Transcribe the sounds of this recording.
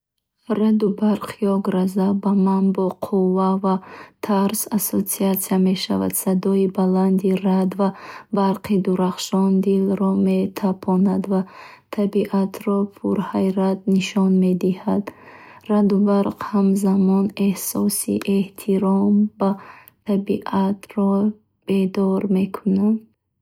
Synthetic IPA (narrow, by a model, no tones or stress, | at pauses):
ɾad̪ubaɾqʰiɔɡɾazabamanbɔqʰuvːavat̪ʰaɾsasot͡siat̪sijame̞ʃava̰d̪sad̪ɔibaland̪irad̪vabaɾqid̪uɾaχʃɔnd̪ilɾɔme̞t̪ʰapʰɔnad̪vat̪ʰabiʔat̪ʰɾɔpʰuɾhajɾat̪̚niʃɔnmed̪ihad̪rad̪ubaɾqhamzamɔne̞hsɔsḭʔeht̪ʰiɾɔmba | t̪ʰabiʔat̪ɾɔ | b̥e̞d̪ɔɾme̞kʰunan